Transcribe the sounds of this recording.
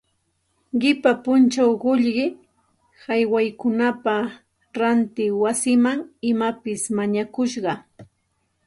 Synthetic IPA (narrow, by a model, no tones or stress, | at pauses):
ɢɪpapʊnt͡ʃawɢʊʎɢɪ | hajwajkʊnapa | ɾant̪ɪwasɪmaŋɪmapɪsmaɲakʊʃɢɑ